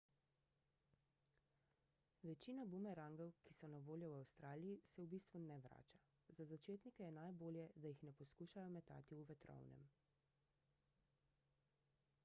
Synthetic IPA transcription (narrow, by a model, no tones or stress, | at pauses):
ʋɛt͡ʃinabumɛɾaŋɡɔwkisɔnaʋoːljɔwawst̪ɾaːlijisɛwbist̪ʋunɛʋɾa̰ːt͡ʃa | zazat͡ʃeːt̪nikɛjɛnajboːljɛd̪ajixnɛpɔskuːʃajɔmɛt̪a̰ːt̪iuʋɛt̪ɾɔ̰wnɛ̰m